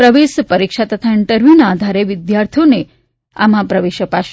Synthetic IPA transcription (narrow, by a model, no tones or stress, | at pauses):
pɾəʋeʃpəɾikʂat̪ət̪ʰaɪɳʈəɾʋinad̪ʱaɾeʋɪd̪jaɾt̪ʰijone | a̰mãpɾəʋeʃəpaʃ